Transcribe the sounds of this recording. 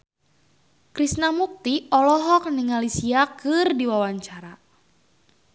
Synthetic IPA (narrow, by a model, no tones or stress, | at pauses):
kɾisnamuk̚t̪iɔlɔɦɔk̚niŋalisiakɨrdiwawaɲt͡ʃaɾa